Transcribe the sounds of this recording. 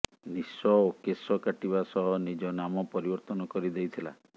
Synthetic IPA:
nisɔokesɔkaʈibasɔɦɔnid͡ʒɔnamɔpɔɾibɔɾt̪ɔnɔkɔɾid̪ejt̪ʰila̰

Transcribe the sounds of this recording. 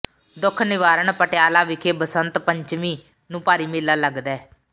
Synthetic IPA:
d̪ʊkʰnɪʋaːɾəɳpəʈɪjaːlaːʋɪkʰeːbəsənt̪pəɲt͡ʃmiː | nũːpaːɾiːmɪːlːaːləɡd̪ɛː

